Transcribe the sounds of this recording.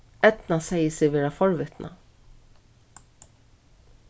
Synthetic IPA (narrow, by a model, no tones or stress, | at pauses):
ɛd̪̥nɑsɛɪəsɪːʋeːɹafɔɹʋɪt̪nʔɑ̰